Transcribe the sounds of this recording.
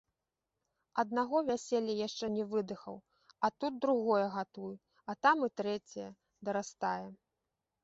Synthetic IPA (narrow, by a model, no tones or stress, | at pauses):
ɐd̪naɣɔvʲasʲɛlʲːɐjaʂt͡ʂɛnʲɛvɨd̪ɨxɐ̰w | ɐt̪ut̪̚d̪ɾuɣɔjɐɣat̪uj | ɐt̪amɨt̪ɾɛt͡sʲɐjɐ | d̪ɐɾast̪ajɛ